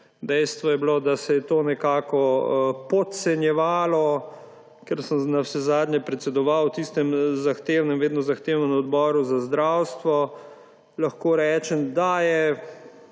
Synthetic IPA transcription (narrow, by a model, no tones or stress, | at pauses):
d̪ɛjst̪ʋɔjɛblod̪asɛjɛt̪oːnɛkaːkɔpɔt̪sɛnjɛʋaːlɔ | kɛɾsəmnawsɛzaːd̪ɲjɛpɾɛt̪sɛd̪ɔʋawt̪ist̪ɛmzaxt̪eːwnɛmʋeːd̪nɔzaxt̪eːwnənɔd̪bɔːɾuzazd̪ɾawst̪ʋɔ | laxkoːɾɛːt͡ʃɛmd̪ajɛ